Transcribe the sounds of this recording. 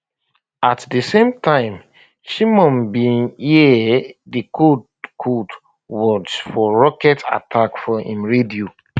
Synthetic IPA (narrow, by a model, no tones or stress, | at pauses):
atdəsẽmtʰãɪ̃m | ʃimɔ̃nbĩni | dikʰod | kʰod | wɔt͡ʃfɔɹɔkɛta̰tʰakfɔḭ̃mɹedio